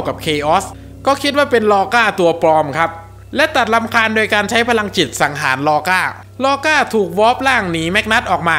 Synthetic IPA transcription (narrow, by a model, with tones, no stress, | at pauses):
wka˨˩p̚kʰeː˧ʔɔː˦˥s | kɔː˥˩kʰi˦˥t̪̚waː˥˩pe˧nlɔː˧kaː˥˩t̪u˧ɐpɾɔː˧mkʰa˦˥p̚ | lɛ˦˥t̪a˨˩t̪̚la˧˥mkʰaː˧ndoː˧jkaː˧nt͡ɕʰa˦˥jpʰa˧la˧ŋt͡ɕi˨˩t̪̚sa˩˦ŋɦaː˩˦nlɔː˧kaː˥˩ | lɔː˧kaː˥˩t̪ʰuː˨˩k̚wɔː˦˥p̚laː˥˩ŋniː˩˦mɛ˦˥k̚na˦˥t̪̚ʔɔː˨˩k̚maː˧